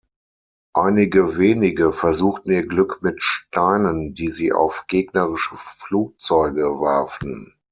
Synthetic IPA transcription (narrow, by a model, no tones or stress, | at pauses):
ʔaɪnɪɡəveːnɪɡəfɛɐzuːxtn̩iːɐɡlʏkmɪtʃtʰaɪnəndiːziːʔa̰ʊfɡ̥eːɡnəʁɪʃəfluːk̚t͡sɔʏɡəvaɐftn̩